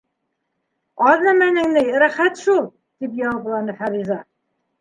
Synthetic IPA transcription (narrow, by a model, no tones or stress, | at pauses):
ɑðnɑmænɘ̆ŋnɘjɾæχæt̪ʃulˠ | t̪ip̬jɑɤb̆lˠɑnɤfæɾizɑ